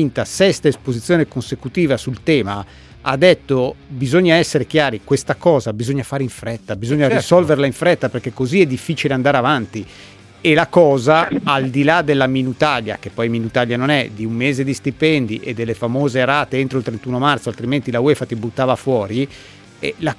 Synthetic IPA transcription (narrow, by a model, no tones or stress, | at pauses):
int̪asɛst̪aespozit̪sːjoːnekonsekut̪iːvasult̪ɛːma | ad̪ːet̪ːobizoɲːaɛsːeɾek̟jaːɾikwest̪akɔːzabizoɲːafaːɾeiɱfɾɛt̪ːabizoɲːaɾsɔlverlaiɱfɾɛt̪ːaperk̟ekːoziɛd̪ːifːiːt͡ʃileand̪aɾeavant̪i | elakɔːzaald̪ilad̪elːaminut̪aʎja̰kepːɔjminut̪aʎːjanonɛd̪iummeːzed̪ist̪ipɛnd̪iʔed̪ːelːefamoːzeɾaːt̪eent̪ɾoilt̪ɾent̪uːnomart̪soalt̪ɾiment̪ilaweːfat̪ibut̪ːaːvafwɔːɾi | ɛla